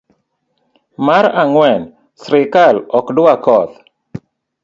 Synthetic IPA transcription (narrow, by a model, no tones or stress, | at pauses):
maɾaŋwɛn | sɾɪkalɔkdwakɔt̪